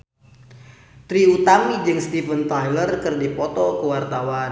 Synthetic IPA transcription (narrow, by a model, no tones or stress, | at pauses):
t̪ɾiut̪amid͡ʒɨŋst̪ifənt̪ajlərkɨrdipɔt̪ɔkəwart̪awa